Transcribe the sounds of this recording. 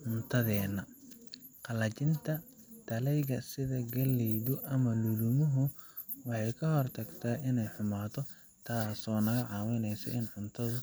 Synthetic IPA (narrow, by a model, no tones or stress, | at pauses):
ʕʊnt̪ʰɐðɛːnɐ | qɑlɐt͡ʃɪnt̪ʰɐ | t̪ʰɐlɛjɣɐsɪðɐɡɐlɛjðʊʔɐmɐlʊlʊmʊɦʊ | wɑħɑjkʰɐɦɔrt̪ʰɐɡt̪ʰaːʔɪnɛjħʊmaːt̪ʰɔ | t̪ʰaːsɔːnɐɣɐʕɑːwɪnɛjsɐ̰ʔɪnʕʊnt̪ʰɐðʊ